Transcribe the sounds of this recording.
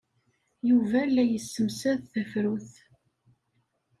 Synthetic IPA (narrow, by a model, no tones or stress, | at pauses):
juvælːæjəsːəmsæðθəfɾuθ